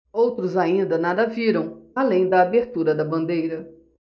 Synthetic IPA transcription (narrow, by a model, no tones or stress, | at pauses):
owt̪ɾʊzaĩnd̪ɐnad̪ɐviɾɐ̃w̃alẽj̃d̪ɐːbeɾt̪uɾɐd̪ɐbɐ̃nd̪ejɾɐ